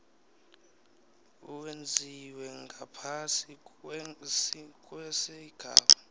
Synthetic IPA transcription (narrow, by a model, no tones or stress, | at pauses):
uwend͡zʱiwɛŋɡʱapʰasi | skʼwɛsɛiɡ̥ʱa̰ːɓa